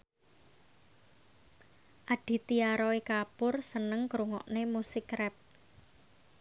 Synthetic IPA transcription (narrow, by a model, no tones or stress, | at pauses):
ʔaɖ̥i̤t̪iaɾɔikapʊrsənəŋkɾuŋɔ̰ʔnemusɪkrɛp̚